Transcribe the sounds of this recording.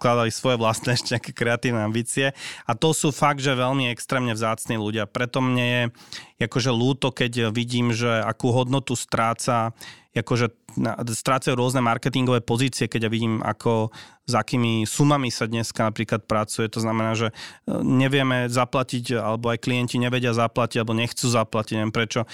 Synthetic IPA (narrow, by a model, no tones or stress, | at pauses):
sklad̪alisʋɔjɛʋlast̪nɛʃtcɛakɛkɾɛat̪iːʊnɛambiːt͡siɛat̪ɔsuːfaɡ̚d̪ʒɛʋɛlmiɛkst̪ɾɛːmɲɛvzaːt͡sniːluɟɪapɾɛt̪ɔmɲɛjɛjakɔʒɛluːt̪ɔkɛɟʋiɟiːmʒɛa̰kuːɦɔd̪nɔt̪ust̪ɾaːt͡sa | akɔʒɛnast̪ɾaːt͡sajuːɾʊɔznɛmaɾkɛt̪iŋɡɔʋɛːpɔziːt͡siɪɛkɛɟjaʋiɟiːma̰kʰɔ | zakiːmisumamisad̪ɲɛskanapɾiːklat̪̚pɾat͡sujɛt̪ɔznamɛnaːʒɛɲɛʋɪɛmɛzaplaciɟa̰lɛbɔajkliɛnciɲɛʋɛɟɪazaplaciɟalɛbɔɲɛxt͡suːzaplaciɟɛmpɾɛt͡ʃɔ